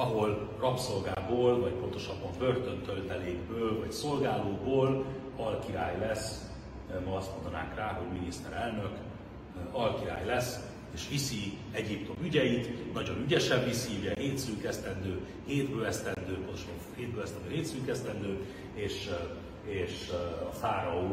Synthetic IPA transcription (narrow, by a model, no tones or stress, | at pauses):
ɒɦo̞l | rɒpso̞lɡaːboːlvɒcpo̞nt̪o̞ʃɒbːɒmbø̞rt̪ø̞nt̪ølt̪ɛleːɡbøːlvɒcso̞lɡaːloːboːl | ɒlkiɾa̰ːjlɛs | mɒɒst̪mo̞nd̪ɒna̰ːŋkraːɦo̞ɟminist̪ɛ̰ɾɛlnø̞k | ɒlkiɾa̰ːjlɛs | eːʃʋisi | ɛɟipt̪o̞myɟɛjit̪nɒɟo̞nyɟɛʃɛɱvisiyɟɛɦeːt̪syːkɛst̪ɛnd̪øː | heːd̪bøːlɛst̪ɛnd̪øːponoʃ | heːd̪̚bøːlɛst̪ɛnd̪øːɦeːt̪syːkɛst̪ɛnd̪øː | eːʃ | eːʃɒfaːɾɒuː